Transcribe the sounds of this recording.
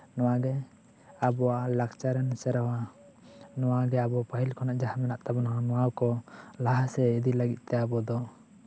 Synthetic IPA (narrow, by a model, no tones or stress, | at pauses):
nɔwaɡɛ | abɔwalakt͡ʃaɾɛnsɛɾawa | nɔwaɡɛabɔpaɦilkʰɔnaʔd͡ʒaɦamɛnaʔt̪abɔnaɦamɔwawkɔlaɦasɛid̪ilaɡit̪̚ˀt̪ɛabɔd̪ɔ